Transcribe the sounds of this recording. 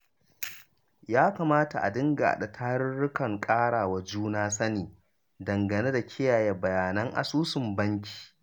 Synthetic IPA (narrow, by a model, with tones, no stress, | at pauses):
jaː˦kaː˨maː˦ta˨ʔa̰˨dɪ˦ŋɡa̰˨ʔa̰˨ɗa˨tʰaː˦ɽɪ˦ɽʊ˦kɐ˨ŋkʼaː˦ɽaː˨wa˨d͡ʒuː˦naː˦sɐ˦niː˨ | dɐ˨ŋɡɐ˨neː˦da˨kʲʰɪ˦jaː˨je˨bɐ˨jaː˨nɐ˦ŋʔa̰˨suː˦sɪ˨mbɐ˦ŋkʲi̥ː˨